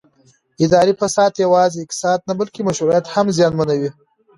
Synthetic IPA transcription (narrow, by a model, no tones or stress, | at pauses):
ɪd̪ɑɾipasɑːd̪jawɑzeɪk̚t̪sɑd̪̚nabalkemaʃɾuɾijat̪hamzjɑnmanawi